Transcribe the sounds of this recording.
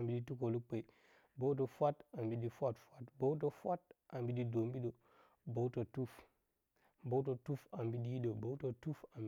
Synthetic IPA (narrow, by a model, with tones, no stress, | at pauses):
a˨mbi˦di˦tu˦ko˨lu˦k͡pe˨ | bo˦wt̬o˨fʷa˦ta˨mbi˦di˦fʷa˦tfʷa˦tbo˦wt̬o˦fʷa˦t̚ʔa˨mbi˦di˦do˨mbi˦ɗo˨ | bo˦u˦to˨tu˦f | bo˦t̬o˨tu˦fa˨mbi˦di˦ji˦do˨bo˦to˨tu˦fa˨m